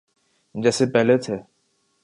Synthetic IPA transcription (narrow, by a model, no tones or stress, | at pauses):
d͡ʒɛːsepɛɦlet̪ʰeː